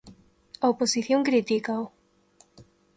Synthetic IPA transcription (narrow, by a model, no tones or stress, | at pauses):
aoposiθjõŋkɾit̪ikao